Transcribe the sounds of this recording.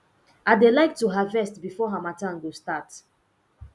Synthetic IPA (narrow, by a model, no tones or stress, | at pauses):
aɪdelaɪk̚tuɦavɛstbifɔɦamatãnɡostat